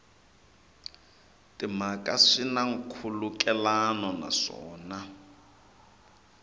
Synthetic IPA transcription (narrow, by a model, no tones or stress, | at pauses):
tʼimakʼaʂinaŋ̩kʰulukʼɛlanɔna̰ʂɔ̰ːna